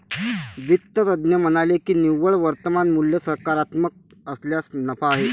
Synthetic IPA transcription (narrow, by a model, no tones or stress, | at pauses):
ʋit̪ːət̪əd̪njəmənalekiːniʋːəɭʋəɾt̪əmanmuljəsəɾkaɾat̪mək̚ | əsljasnəfaːɦe